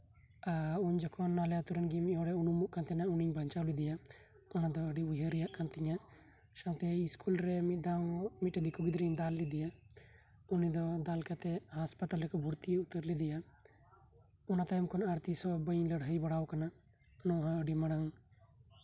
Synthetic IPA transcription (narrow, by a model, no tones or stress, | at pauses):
auɲd͡ʒɔkʰɔnːalɛat̪uɾənɡimɔ̃ɾɛunumuʔkant̪ɛnauniɲbɐɲt͡ʃawlid̪ija | ɔnad̪ɔəɖiujəɾijaʔkant̪iɲa | ʃant̪ɛiskulɾɛmid̪amiʈɛd̪ikuɡid̪ɾiɲd̪alːid̪ija | unid̪ɔd̪alkat̪ɛɦaspat̪alɾɛkɔbʱuɾt̪ieut̪əɾlid̪ija | ɔnat̪ajmkɔnaɾt̪isɔbəɲləɽɦəjbɐɽawkananɔɦəɖiməɽaŋ